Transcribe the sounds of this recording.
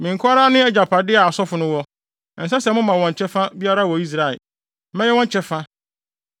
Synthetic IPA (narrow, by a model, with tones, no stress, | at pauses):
mĩ˨ŋ̩˨kʰʊ˦a˦ɾa˦nʊ̃˦ɛ˦d͡ʑa˨pʰa˨dɪ˦a˨a˨sɔ˦fʊ˨nʊ̃˦wɔ˦ | n̩˨s̬a˦sɛ˨mʊ̃˦mã˨wɔ̃˨ɲ˨t͡ɕʰɛ˦fã˦bi˦a˦ɾa˦˨wɔ˨i˦s̬ɾa˨ɪ̰˨ | mɛ̃˦jɛ˦wɔ̃˦ɲ˦t͡ɕʰɛ˦fã˦